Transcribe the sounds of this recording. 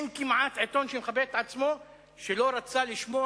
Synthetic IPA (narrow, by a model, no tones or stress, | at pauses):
nkimʕat̪ʕet̪onʃemxabet̪ʕat͡smo | ʃeloɾat͡saliʃmo